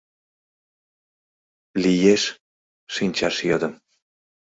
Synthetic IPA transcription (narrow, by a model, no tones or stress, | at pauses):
lʲijeʃ | ʃinʲt͡ɕɑʃjɤd̪ə̆m